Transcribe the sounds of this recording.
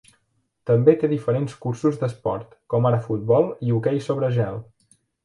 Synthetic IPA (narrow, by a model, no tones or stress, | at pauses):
t̪əmbet̪eðifəɾenskuɾsuzd̪əspɔ̰ɾt̪kɔmaɾəfut̪̚bɔlˠiukɛjsoβɾəʒɛlˠ